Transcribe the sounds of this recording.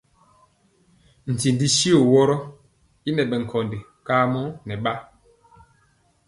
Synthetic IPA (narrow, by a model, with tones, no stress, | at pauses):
n̩˨ti˨ndi˦si˦o˨wɔ˦ɾɔ˦ | i˦nɛ˨ɓɛ˨ŋ̩˨kʰɔ˨nde˨ | ka˦mɔ˦nɛ˨ɓa˦